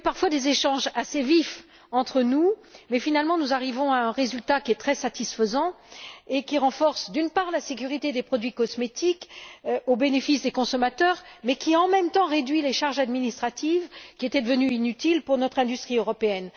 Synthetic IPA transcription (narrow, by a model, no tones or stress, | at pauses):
paʁfwad̪ezeʃɑ̃ʒasevif | ɑ̃t̪χənumɛfinalmɑ̃nuzaʁivɔ̃aɛ̃ʁezylt̪akʲiɛt̪χɛsat̪isfəzɑ̃ | ekʲiʁɑ̃fɔʁsd̪ynpaʁlasek̬ʲyʁit̪ed̪epχɔd̪ɥikɔsmet̪ikobenefisd̪ekɔ̃sɔmat̪œːʁmɛkʲiaɑ̃mɛmt̪ɑ̃ʁed̪ɥileʃaʁʒad̪minist̪χat̪ivkʲiet̪ɛd̪əvənyinyt̪ilpuʁnɔt̪χɛ̃d̪yst̪χiøʁɔpeɛn